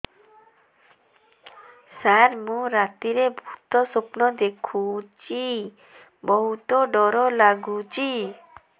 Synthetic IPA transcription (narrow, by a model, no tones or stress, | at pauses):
saɾmũɾat̪iɾebʱut̪osopnod̪ekʰut͡ɕi | boɦut̪oɖɔɾolaɡut͡ɕi